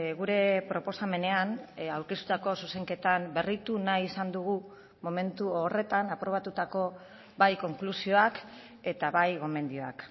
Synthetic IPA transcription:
ɣuɾe̞pɾo̞po̞same̞ne̞anawɾkest̪u̥t̪ako̞suse̞ŋke̞t̪ambe̞rit̪unajisand̪uɣ̞u | mo̞me̞nt̪uore̞t̪anapɾo̞β̞at̪ut̪ako̞ | βajko̞ŋklusio̞ak | e̞t̪aβajɣo̞me̞nd̪io̞a̰k

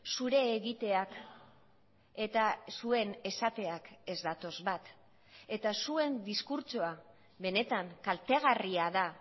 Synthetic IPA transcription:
suɾe̞ːɣit̪e̞ak | e̞t̪asue̞ne̞sat̪e̞ake̞zd̪at̪o̞zβat̪ | e̞t̪asue̞nd̪iskuɾt͡ʃoa | βe̞ne̞t̪aŋkalt̪e̞ɣ̞ariaða

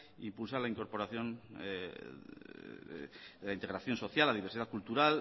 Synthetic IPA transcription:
ḭmpulsalaiŋko̞ɾpo̞ɾaθjo̞n | d̪elaint̪e̞ɣɾaθjo̞nso̞θjalːaðiβeɾsiðakult̪uɾal

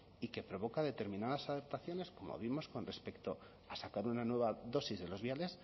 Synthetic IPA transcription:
ike̞pɾo̞βo̞kaðe̞t̪e̞ɾmĩnað̞asaθep̚t̪aθjo̞ne̞sko̞mo̞̰β̞imo̞sko̞nre̞spe̞kt̪o̞ | asakaɾunanwe̞β̞aðo̞sizðe̞lo̞zβjale̞s

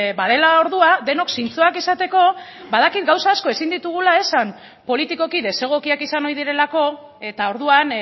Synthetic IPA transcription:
baðe̞lao̞ɾðuad̪e̞no̞ksint͡soakisat̪e̞ko̞ | baðakit̪̚ɡawsaːsko̞e̞sind̪it̪uɣ̞ulae̞sam | po̞lit̪iko̞kiðe̞se̞ɣ̞o̞kiakisano̞iðiɾe̞lako̞ | e̞t̪ao̞ɾðuan

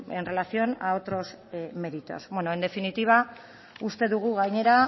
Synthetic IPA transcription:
enre̞lasio̞nao̞t̪ɾo̞sme̞ɾit̪o̞̰sbwenoend̪e̞finit̪iβ̞a | ust̪e̞ðuɣ̞uɣajɲe̞ɾa

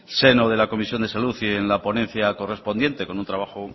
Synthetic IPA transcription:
se̞noð̞e̞lako̞misjo̞nd̪e̞saluθienlapo̞nẽ̞n̟θjako̞re̞spo̞nd̪je̞nt̪e̞ko̞nunt̪ɾaβ̞axo

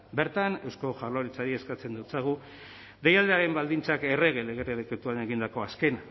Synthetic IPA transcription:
be̞ɾt̪ane̞wsko̞ʝaloɾit͡saɾie̞skat͡se̞nd̪ut͡saɣ̞u | ðe̞jald̪eaɾe̞mbald̪int͡sake̞re̞ɣe̞leɣeɾeleket̪uane̞ɣind̪ako̞aske̞na

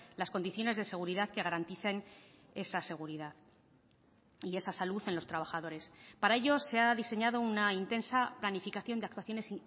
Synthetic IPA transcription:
lasko̞nd̪iθjo̞ne̞zð̞e̞se̞ɣ̞uɾiðaðke̞ɣ̞aɾant̪iθe̞n | e̞sase̞ɣ̞uɾiðað | ie̞sasaluθe̞nlo̞st̪ɾaβ̞axaðo̞ɾe̞spaɾae̞ʎo̞se̞aðise̞ɲaðo̞unaint̪e̞nsaplanifikaθjo̞nd̪akt̪waθjone̞si

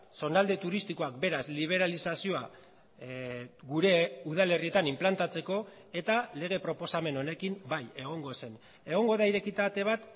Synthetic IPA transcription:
so̞nald̪e̞t̪uɾist̪iko̞akbe̞ɾasliβ̞e̞ɾalisasio̞a | ɡuɾe̞uð̞ale̞rie̞t̪animplant̪at͡se̞ko̞ | e̞t̪ale̞ɣ̞e̞pɾo̞po̞same̞no̞ne̞kimbaje̞ɣ̞o̞ŋɡo̞se̞n | e̞ɣ̞o̞ŋɡo̞ðaiɾe̞kit̪at̪e̞β̞at̪

